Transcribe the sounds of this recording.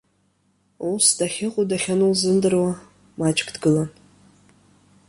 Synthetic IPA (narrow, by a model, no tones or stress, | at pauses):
usdaχʲɪqʷʼʊudaχʲanulzɨndɨrwa | mat͡ʃʼkʰʼdɡɨlan